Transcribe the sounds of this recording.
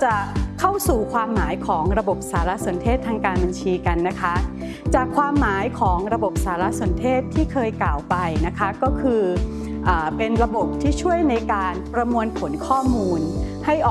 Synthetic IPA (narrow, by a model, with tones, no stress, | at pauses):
t͡ɕa˨˩kʰa˥˩wsuː˨˩kʰwaː˧mːaː˩˦jkʰɔː˩˦ŋɾa˧bo˨˩p̚saː˩˦la˦˥ʔso˨˩˦nt̪ʰeː˥˩t̪ʰːaː˧ŋkaː˧nba˧nt͡ɕʰiː˧ka˧nːa˦˥kʰa˦˥ | t͡ɕaː˨˩kʰːwaː˧mːaː˩˦jkʰɔː˩˦ŋɾa˧bo˨˩p̚saː˩˦la˦˥snt̪ʰeː˥˩t̪ʰːiː˥˩kʰɤː˧jklaː˨˩wpa˧jna˦˥kʰa˦˥kɔː˥˩kʰɯː˧ | ʔaː˨˩pe˧nɾa˧bo˨˩p̚t̪ʰiː˥˩t͡ɕʰu˥˩əjna˧jkaː˧npɾa˧mu˧ənpʰo˩˦nkʰɔː˥˩muː˧nha˥˩jʔɔː˨